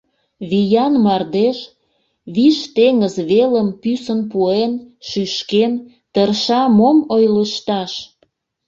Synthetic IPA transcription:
βijɑnmɑrd̪eʃ | βiʃt̪eŋəzβeləmpysənpuenʃyʃken | t̪ərʃɑmomojləʃt̪ɑʃ

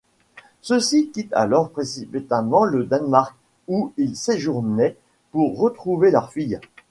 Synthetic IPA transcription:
səsikʲit̪a̰lɔʁpχesipit̪amɑ̃ləd̪anmaʁk | uilseʒuʁnɛ | puʁːət̪χuvelœʁfij

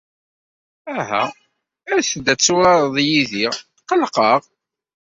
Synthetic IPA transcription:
æɦæ̰ | æɾθəd̪ːæt͡sːuɾɑɾˤðˤjiðiʁ | qəlqəʁ

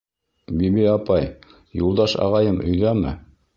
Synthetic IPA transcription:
biβiɑpɑj | julˠd̪ɑʃɑ̰ʁɑjɤmɵ̆jðæmɘ̰

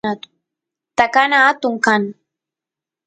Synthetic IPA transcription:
at̪ʊ̥ | t̪akanaːt̪ʊŋkan

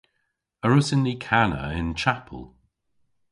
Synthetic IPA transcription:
əɹʊsɪ̃nːikʰanə̰ɪ̰̃nt͡ʃʰapʰə̰lˠ

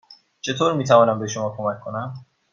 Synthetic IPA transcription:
t͡ʃʰe̞t̪ʰoːɾmiːt̪ʰævɒːnæmbeʃomɒːkʰomækʰːonæm

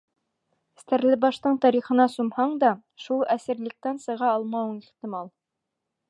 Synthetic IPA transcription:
st̪æɾlɘbɑʃt̪ɤɴt̪ɑɾiχɤ̆nɑsumhɑɴd̪ɑʃulˠæsɘ̆ɾlɘ̆k̚t̪ænsɤ̆ʁɑɑlˠmɑwɤɴiχt̪ĭmɑlˠ

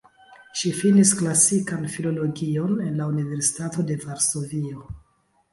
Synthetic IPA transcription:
ʃifinisklasikanfilo̞lo̞ɡio̞ne̞nlaunive̞ɾsi̥tato̞de̞vaɾso̞vio̞

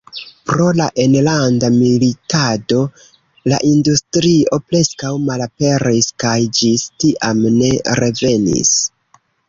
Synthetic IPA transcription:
pɾo̞laʔenlandamilitado̞ | la̰ʔindustɾio̞pɾe̞skawmalape̞ɾiskajd͡ʒistiʔamne̞ɾe̞ve̞nḭs

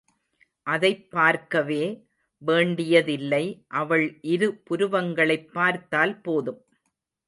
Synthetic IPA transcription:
ʔɐðɐɪpːaːɾkɐʋeː | ʋeːɳɖɪjɐðɪlːɐɪʔɐʋɐɭʔɪɾɯpʊɾʊʋɐŋɡɐɭɐɪpːaːɾt̪aːlpoːðɯm

